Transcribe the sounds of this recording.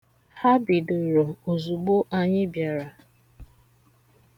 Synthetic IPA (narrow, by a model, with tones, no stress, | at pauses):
ha˦bɪ˨do˨ɾo˨o˨zu˨ɡ͡bo˦ʔa˦ɲɪ˦bja˨ɾa˨